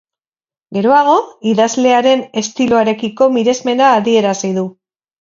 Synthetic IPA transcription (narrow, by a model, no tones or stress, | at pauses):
ɡe̞ɾo̞aɣ̞o̞iðazle̞aɾe̞ne̞st̪iloaɾe̞kiko̞miɾe̞zme̞nd̪aːðie̞ɾasiðu